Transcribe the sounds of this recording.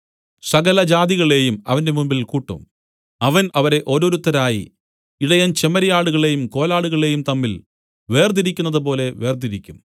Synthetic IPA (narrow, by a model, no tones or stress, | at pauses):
sɐɣɐlɐd͡ʑaːðiɣɐɭe̞ːjumɐʋɐnde̞mumbilkuːʈːṵm | ɐʋɐnɐʋɐɾe̞ʔo̞ːɾo̞ːɾut̪ːɐɾaːjḭ | iɽɐjɐnt͡ɕemɐɾɐjaːɽuɣɐɭe̞ːjumko̞ːlaːɽuɣɐɭe̞ːjumt̪ɐmːil | ʋe̞ːrd̪iɾikʲːunːɐðɨp̬o̞ːle̞ʋe̞ːrd̪iɾikʲːum